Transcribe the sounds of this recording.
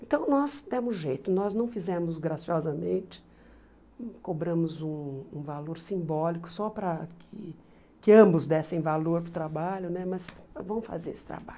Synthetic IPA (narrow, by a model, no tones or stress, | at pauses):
ẽnt̪ɐ̃w̃nɔzd̪ẽmʊzʒejt̪ʊnɔznɐ̃w̃fizẽmʊzɡɾasiɔzɐmẽnt͡ʃɪ̥ | kobɾɐ̃mʊzũũvaloɾsĩmbɔlikʊ̥sɔpɾɐkʰɪ | kɪɐ̃mbʊzd̪ɛsẽj̃valoɾpɾʊt̪ɾabaʎʊnɛmɐsvɐ̃w̃fa̰zeɾesɪ̥t̪ɾa̰ba̰ʎʊ